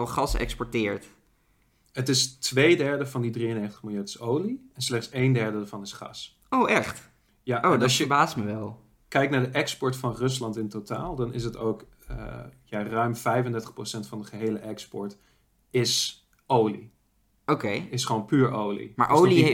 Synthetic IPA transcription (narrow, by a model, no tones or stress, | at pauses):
χɑsɛ̰kspɔɹtɪːɹt | ətɪstʋejdɛɹdəvɑndidriənejχtə̥χmɪlˠjatɪ̥sowliɛnslɛχtsejndɛɹdədaːɹv̥ɑnɪsχɑ̰s | owɛχt | jaʔonɑəbaːstməʋɛlˠ | kɛjk̚naːɹdəʔɛkspɔɹtfɑnrɵs̬lɑntɪntota̰ːlˠdɑnɪ̰s̬ətowk | ə̰jarœɥmvɛjfəndɛɹtəχprosɛntfɑndəχəɦejləʔɛkspɔ̰ɹt | ɪs | owlḭ | ʔokejɪsχʋownpyːɹowlḭma̰ːɹʔowli